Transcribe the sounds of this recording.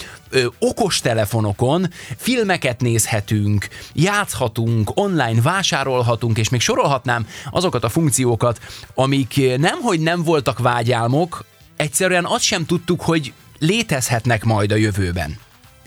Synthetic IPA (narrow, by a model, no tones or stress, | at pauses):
o̞ko̞ʃt̪ɛlɛfo̞no̞ko̞nfilmɛkɛt̪neːshɛt̪yŋkjaːt̪shɒt̪uŋko̞nlaːjnvaːʃaːɾo̞lɦɒt̪uŋkeːʃmeːkʃo̞ɾo̞lɦɒt̪naːmɒ̰zo̞kɒt̪ɒfuŋkt̪sijoːkɒt̪ɒmiknɛmɦo̞ɟnɛɱvo̞lt̪ɒkvaːɟaːlmo̞k | ɛct̪sɛɾyɛnɒst̪ʃɛmt̪ut̪ːukho̞ɟ | leːt̪ɛshɛt̪nɛkmɒjd̪ɒjøvøːbɛ̰n